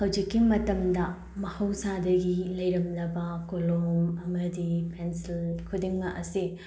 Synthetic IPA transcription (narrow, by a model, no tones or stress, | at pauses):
hɐwd͡ʒikːimɐtɐmdɐ | mɐhɐwsadɐɡilɐjɾɐmnɐbɐkolomɐmɐdipʰensilkʰudiŋːɐʔɐsi